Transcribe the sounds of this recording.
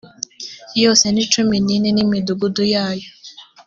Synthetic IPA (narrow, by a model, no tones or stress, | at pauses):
jɔsenitumininenimiduɡudujajɔ